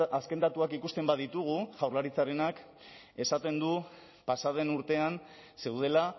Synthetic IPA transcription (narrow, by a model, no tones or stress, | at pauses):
aske̞nd̪at̪uakikust̪e̞mbað̞it̪uɣ̞uʝawɾlaɾit͡saɾe̞nak | e̞sat̪e̞nd̪u | pasað̞e̞nuɾt̪e̞anse̞wð̞e̞la